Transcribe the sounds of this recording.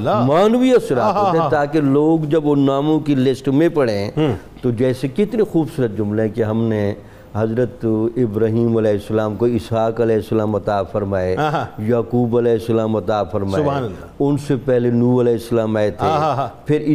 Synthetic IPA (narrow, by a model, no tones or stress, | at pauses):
maːnʋiɐsɾaːeet̪aːkeloːɡd͡ʒɐbonaːmõkilɪsʈmẽpɐɽeɦɛ̃ | t̪od͡ʒɛːsekɪt̪nexuːbsuːɾət̪̚d͡ʒʊmleɦɛ̃keɦɐmne | ɦɐzɾət̪ɪbɾaːɦiːmɐlɛːɪsːəlaːmkoɪsɦaːkɐlɛːɪsːəlaːmɐt̪aːfɐɾmaːejaːkuːbɐlɛːɪsːəlaːmɐt̪aːfɐɾmaː | ʊnsepɛɦlenuːɐlɛːɪsːəlaːmaːet̪ʰepʰɪɾ